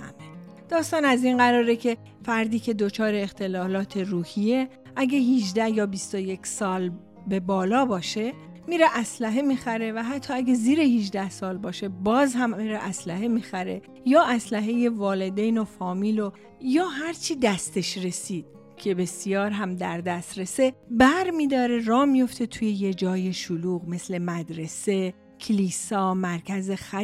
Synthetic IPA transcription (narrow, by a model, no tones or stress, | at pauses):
æ̰me | d̪̥ɒːst̪ɒːnæzinɢæɾɒːɾecʰe̞ | fæɾd̪iːcʰe̞d̪ot͡ʃʰɒːɾe̞ːxt̪ʰe̞lɒːlɒːt̪ʰe̞ruːhije̞ | ʔæɡeɦid͡ʒd̪æhjɒːbist̪o̞je̞cʰsɒːl | be̞bɒːlɒːbɒːʃe̞ | miːɾeʔæslæɦe̞miːxæɾe̞væɦæt̪ʰːɒːæɡeziːɾe̞hid͡ʒd̪æhsɒːlbɒːʃe̞bɒːzɦæmiɾeʔæslæɦe̞miːxæɾe̞ | jɒːʔæslæɦe̞jevɒːle̞d̪ejno̞fɒːmiːlo | jɒːɦæɾt͡ʃʰiːd̪æst̪ʰe̞ʃɾe̞siːd̪̥̚ | cʰe̞be̞sijɒːɾɦæmd̪æɾd̪æst̪ɾe̞se̞bæɾmiːd̪ɒːɾe̞rɒːmijo̞ft̪ʰe̞t̪ʰuːje̞je̞d͡ʒɒːje̞ʃuluːɣme̞sle̞mæd̪ɾe̞se̞ | cʰeliːsɒːmæɾcʰæze̞xæ